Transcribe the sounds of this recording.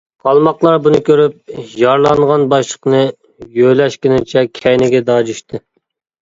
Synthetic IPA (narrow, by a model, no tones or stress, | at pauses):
qʰɑlˠmɑqlˠɑɾbunɨkʲøɾyp̚jɑɾlˠɑŋʁɑnbɑʃlˠəqnɨ | jølɛʃkʲɪnɪt͡ʃʰɛkʲʰɛjnɪɡʲɛd̪ɑːd͡ʒyʃt̪ʰɨ